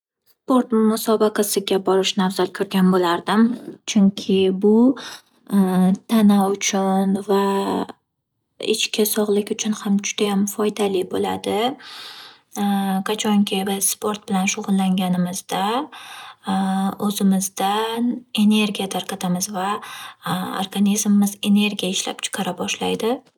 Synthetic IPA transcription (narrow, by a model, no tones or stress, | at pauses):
spo̞ɾt̪mʊsɒbɑqʰɑsɪɡʲabɒɾɪʃnavzalkʲʰɵɾɡʲanbolaɾd̪ɪmt͡ʃʰʊŋkʲʰɪbʊ | t̪ʰanaʊt͡ʃʰʊnva | ɪ̰t͡ʃkʲʰasɒʁlˠɪkʲʊt͡ʃʰʊnhamd͡ʒʊd̪̥ajamfɒjd̪alɪbola̰d̪ɪ | kʰat͡ʃʰɒŋkʲʰebɪspʰo̞ɾt̪̚bɪlanʃʊʁʊlˠːaŋɡʲanɪmɪzd̪a | ɵzɪmɪzd̪ane̞ne̞ɾɡʲijat̪ʰaɾqʰɑt̪ʰamɪzva | o̰ɾɡanizmɪːɪze̞ne̞ɾɡʲijaɪʃla̰pt͡ʃʰɨ̥qʰɑɾabɒʃlajd̪ɪ